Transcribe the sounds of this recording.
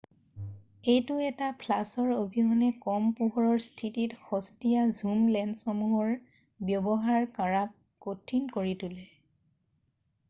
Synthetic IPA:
ejtʊɛtapʰlasɔɹobʱiɦɔnɛkɔmpuɦɔɹɔɹstʰititxɔstijazumlɛndsɔmuɦɔɹ | bjɔbɔɦaɹkaɹap̚ | kotʰːinkoɹitulɛ

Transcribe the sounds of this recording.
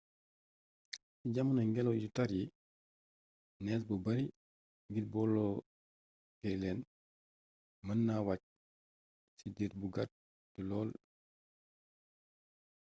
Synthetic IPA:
siɟamanaŋɡɛlɔwjutaɾji | nɛs̬bɔbɐɾi | ŋɡit̚bɔlːɔ | kɛlɛn | mɐnːawac̚ | sidiɾ̚buɡat̚ | dulɔːl

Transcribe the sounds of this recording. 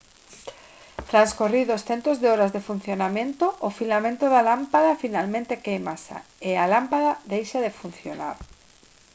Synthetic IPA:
t̪ɾanskoriðosθent̪ozðeɔɾazðefun̟θjonamẽnt̪oʔːfilamẽnt̪oðalampaðafinalmẽnt̪ekejmasa̰ɪalampaðaðejʃaðefun̟θjona̰ɾ

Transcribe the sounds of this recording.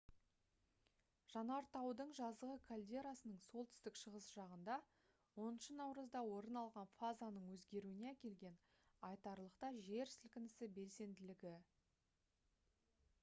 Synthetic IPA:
ʒ̥ɑnɑɾt̪ɑwd̪əɴʒɑzəʁəkʰalʲd̪e̞ɾasənəɴso̞lˠt̪ʰʏ̥st̪ɪkʃəʁəsʒ̥ɑʁənd̪ɑ | wo̞nənʃənɑwɾəzd̪ɑwo̞ɾənɑlˠʁɑnfazanəɴwɵzɡʲe̞ɾuɪne̞ækʲe̞lɡʲe̞n | ɑjt̪ɑɾlˠəqt̪ɑʒe̞ɾsɪlkʲɪnɪsɪbe̞lse̞nd̪ɪlɪɡʲɪ

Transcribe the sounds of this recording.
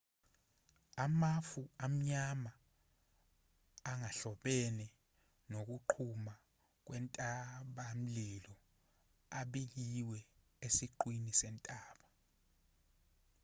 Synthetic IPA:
amafuam̩ɲama | ŋaɬɔɓɛnɛ | nok̬uǃʰuma | k̬wɛntʼaɓam̩lilɔ | aɓik̬iwɛ | esiǃwinisɛntʼaːɓa

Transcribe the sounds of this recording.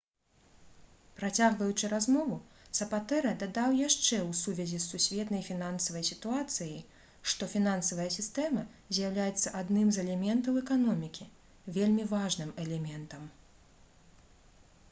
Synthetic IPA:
pɾat͡sʲaɣvɐjut͡ʂɨɾazmɔvusɐpat̪ɛɾɐd̪ad̪awjaʂt͡ʂɛwsuvʲɛzʲisːusʲvʲɛt̪nɐjfʲinansɐvɐjsʲit̪uat̪sɨji | ʂt̪ɔfʲinansɐvɐjɐsʲist̪ɛmɐ | zʲjawlʲajɛt̪sːɐʔad̪nɨmzɛlʲɛmʲɛnt̪ɐwɛkanɔmʲikʲi | vʲelʲmʲivaʐnɨmɛlʲɛmʲɛnt̪ɐm

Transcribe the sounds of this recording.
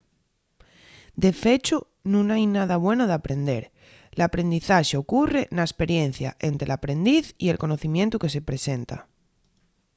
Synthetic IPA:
d̪e̞fe̞t͡ʃo | nũnajnað̞aβ̞we̞noð̞eapɾẽ̞nd̪e̞̰ɾ | lapɾe̞nd̪iθaʃeokure̞naespe̞ɾje̞n̟θja̰ʔe̞nt̪ɾelapɾẽ̞nd̪iθie̞lko̞no̞θimjent̪ukese̞pɾe̞se̞nt̪a̰

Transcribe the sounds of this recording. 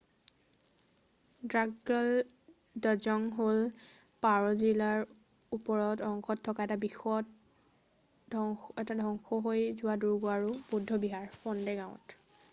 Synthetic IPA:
dɹaɡɔl | dɔzɔŋɦol | paɹɔzilaɹ | upɔɹɔtɔŋxɔtʰːɔkaɛtabixɔt | ɔɛtadʱɔŋxɔɦojzʊwaduɹɡoaɹubudʱːɔbiɦaɹfɔndɛɡãʊ̃ɔ̰t

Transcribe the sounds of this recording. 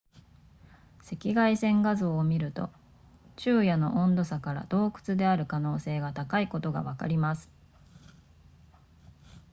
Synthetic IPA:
se̞kʲiɡaisẽ̞ŋɡazo̞ːmʲiɾɯ̟t̪o̞̰ | t͡ɕɨːjano̞ʔõnd̪o̞sakaɾa̰d̪̥o̞ːkɯ̟̥t͡sɨd̪e̞aɾɯ̟kano̞ːse̞ːɡat̪akaiko̞t̪o̞ɡa̰β̞aka̰ɾʲimasɨ̥

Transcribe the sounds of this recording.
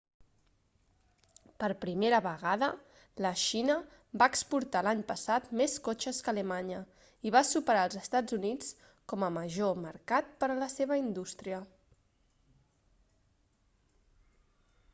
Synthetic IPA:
pəɾpɾimeɾəβəɣaðə | ləʃinə | baəkspuɾt̪alaɲpəsat̪meskot͡ʃəskələmaɲə | iβasupəɾaəlˠzəst̪ad͡zunit͡s | kɔməməʒoməɾkat̪̚pəɾələseβəind̪ust̪ɾiə

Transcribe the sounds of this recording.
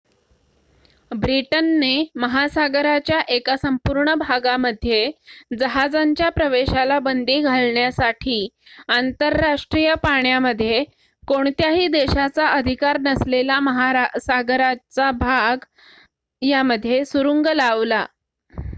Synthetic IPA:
bɾiʈənːeməɦasaɡɾat͡ɕjaʔekasəmpuɾɳəbʱaɡaməd̪ʱːjed͡zəɦad͡zaɲt͡ɕjapɾəʋeɕalabənd̪iːɡʱaɭɳjasaʈʰiːant̪əɾːaʂʈɾijəpaɳjaməd̪ʱːje | koɳt̪jaɦiːd̪eɕat͡saʔəd̪ʱikaɾnəslelaməɦaɾsaɡɾat͡sabʱaɡ | jaməd̪ʱːjesuɾuŋɡəlaʋla

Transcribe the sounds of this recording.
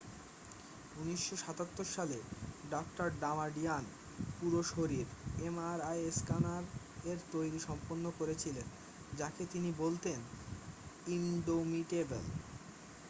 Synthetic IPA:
uniʃːoʃat̪at̪ːoɾʃaleɖɔk̚ʈaɾɖamaɖian | puɾoʃoɾiɾemaɾajeskanaɾ | eɾt̪ojɾiʃɔmponːokoɾet͡ɕʰilen | d͡ʑaket̪inibolt̪en | inɖomiʈebḛl

